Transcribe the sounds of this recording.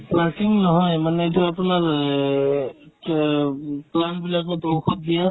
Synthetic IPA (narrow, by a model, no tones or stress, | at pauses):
plasiŋnɔɦɔjmanɛet̬uapunaɹ | planbilakɔdowxʰɔt̚dija